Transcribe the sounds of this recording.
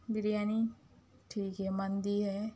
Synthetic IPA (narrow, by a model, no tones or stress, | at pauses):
biɾijani | ʈʰiːkɦɛmand̪iːɦɛ